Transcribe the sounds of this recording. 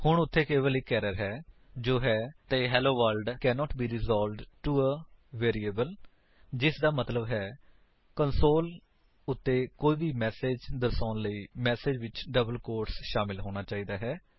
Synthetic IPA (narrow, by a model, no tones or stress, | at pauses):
hʊɳʊt̪ʰːeːkeːʋəliːkɛːɾəɾɦɛː | d͡ʒoːɦɛːt̪eːɦɛːloːʋəlɖkɛːnɔːʈbiːɾɪzɔːlɖʈuəʋeːɾiːeːbəl | d͡ʒɪsd̪aːmət̪ləbɦɛː | kənsoːl | ʊt̪ʰːeːkoːiːbiːmɛːseːd͡ʒd̪əsãːnləiːmɛːseːd͡ʒʋɪt͡ʃɖəbəlkoːɾsʃaːmɪlɦoːɽ̃aːt͡ʃaːiːd̪aːɦɛː